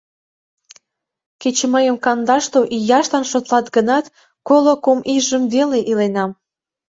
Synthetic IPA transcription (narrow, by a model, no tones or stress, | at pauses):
ket͡ɕməjəmkɑnd̪ɑʃt̪oʔijɑʃlɑnʃot̪lɑt̪ɡənɑt̪ | kolokomiʒəmveleʔilenɑm